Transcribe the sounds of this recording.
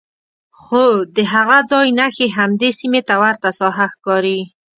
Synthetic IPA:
xod̪əɦaɣad͡zɑjnaxeɦamd̪esimet̪awaɾt̪asɑɦaxkɑɾi

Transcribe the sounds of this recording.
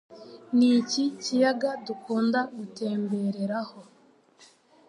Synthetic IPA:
nicicijaɡadukuːndaɡute̞ːmbe̞ɾe̞ɾaho̞

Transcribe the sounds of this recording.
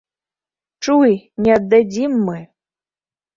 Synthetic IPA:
ʈ͡ʂujnʲiad̪ːɐd͡zʲimːɨ

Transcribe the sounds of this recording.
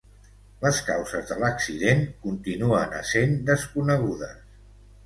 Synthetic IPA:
ləskawzəzðələksiðeŋkunt̪inuənə̰send̪əskunəɣ̞uðəs

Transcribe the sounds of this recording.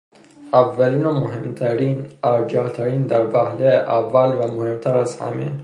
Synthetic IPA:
ævːæliːnomoɦemt̪ʰæɾinæɾd͡ʒɒht̪ʰæɾiːnd̪æɾbæhleʔævːælvæmohemt̪ʰæɾæzhæ̰mḛ

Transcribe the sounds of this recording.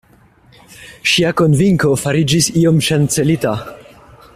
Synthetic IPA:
ʃiako̞nviŋko̞faɾid͡ʒisio̞mʃant͡se̞lita

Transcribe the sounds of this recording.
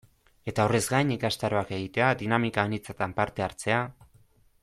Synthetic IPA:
e̞t̪ao̞re̞zɡajɲikast̪aɾo̞ake̞ɣ̞it̪e̞ad̪inamikaenit͡sat̪ampaɾt̪e̞aɾt͡se̞a

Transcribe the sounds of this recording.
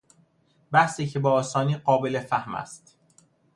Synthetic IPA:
bæhsiːcʰebɒːɒːsɒːniːɢɒːbelefæhmæ̰st̪

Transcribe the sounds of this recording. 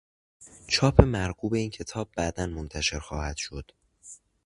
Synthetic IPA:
t͡ʃʰɒːpʰe̞mæɾɡuːbe̞iːncʰe̞t̪ʰɒːb̚ːæʔd̪ænmont̪ʰæʃe̞ɾxɒːhæd̪̥ʃo̞d̪̥

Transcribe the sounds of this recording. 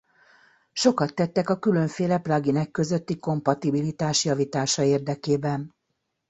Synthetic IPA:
ʃo̞kɒt̪ːɛt̪ːɛkɒkyløɱfeːlɛprɒɡinɛkːø̞zø̞t̪ːiko̞mpɒt̪ibilit̪aːʃjɒvit̪aːʃɒeːrd̪ɛkeːbɛn

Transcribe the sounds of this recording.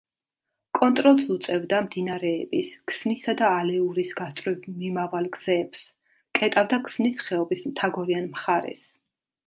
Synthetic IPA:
kʼɔnt̪ʼɾɔlˠsut̪sʼɛvd̪amd̪inaɾɛːbiskʰsnisad̪aːlɛuɾisɡast̪ʼɾivmimavalˠɡz̥ɛːps | kʼɛt̪ʼavd̪akʰsmnisχɛɔbismt̪ʰaɡɔɾianmχaɾɛ̰s

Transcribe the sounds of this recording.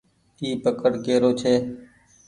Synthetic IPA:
iːpəkəɽkeːɾoːt͡ʃʰeː

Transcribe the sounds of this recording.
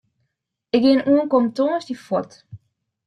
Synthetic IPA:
ɪk̚ɡɪənʔuənkomtosdifɔt

